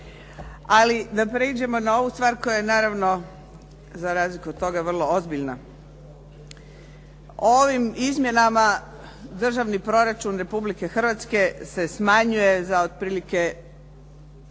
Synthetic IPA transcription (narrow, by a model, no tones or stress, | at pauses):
alid̪apɾed͡ʑe̞mo̞nao̞ʋust̪ʋaːɾko̞jajenaːɾaʋno̞ | zaɾaːzlikuod̪̚t̪o̞ɡaʋr̩lˠo̞ozbiʎna | ooʋimizmje̞nama | d̪r̩ʒaʋnipɾo̞ɾat͡ʃunɾe̞publike̞xr̩ʋat̪ske̞se̞smaɲuje̞zaod̪̥̚pɾiːlike̞